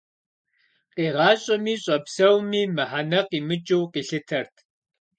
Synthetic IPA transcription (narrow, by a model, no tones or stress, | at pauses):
qiːʁɑːɕʼɐmiːɕʼɐpsɐwmiːmɨħanɐqiːmɨt͡ʃʼɪwqiːɬɨtʰɐrtʰ